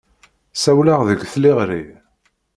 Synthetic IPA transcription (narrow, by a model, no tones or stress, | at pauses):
sæwlaʁðəɡθliʁɾi